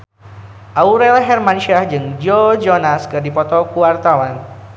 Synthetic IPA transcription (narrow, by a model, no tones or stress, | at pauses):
ʔauɾɛlɦɛrmanʃiahd͡ʒɨŋd͡ʒod͡ʒɔnaskɨrdipɔt̪ɔkuwart̪awan